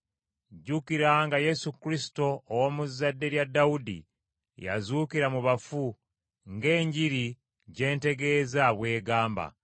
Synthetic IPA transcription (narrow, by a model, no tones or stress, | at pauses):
ɟukiɾaŋɡaje̞sukɾisi̥to̞ːwoːmuzːadːe̞ɾjadːawudḭ | ja̰zuːkiɾamuβafu | ŋɡe̞ːɲɟiɾi | ɟe̞ːnte̞ɡe̞ːzaβwe̞ːɡaːmba̰